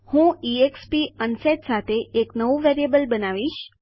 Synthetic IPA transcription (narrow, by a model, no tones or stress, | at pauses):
hũiekspiənset̪sat̪ʰeeknəʋuʋeɾiebəlbənaʋiʃ